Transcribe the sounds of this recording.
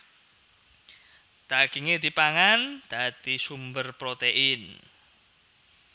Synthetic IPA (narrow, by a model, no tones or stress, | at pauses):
d̪̥aɡ̥iŋed̪ipaŋand̪̥a̤d̪isumbərpɾot̪eʔɪn